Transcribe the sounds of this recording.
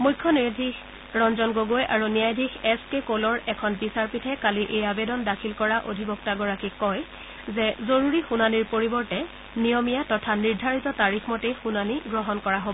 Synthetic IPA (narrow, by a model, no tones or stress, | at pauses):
mujkʰːɔnidʱix | ɹɔnzɔnɡoɡojʔaɹunijajdʱixɛskekolɔɹɛkʰɔnbisaɹpitʰɛkaliʔejabedɔndakʰilkɔɹaʔo̰dʱibɔk̚taɡɔɹakikɔj | zɛzoɹuɹixunaniɹpoɹibɔɹtɛ | nijɔmijatɔtʰaniɹdʱaɹitɔtaɹixʰmɔtejxunaniɡɹɔɦɔnkɔɹaɦobɔ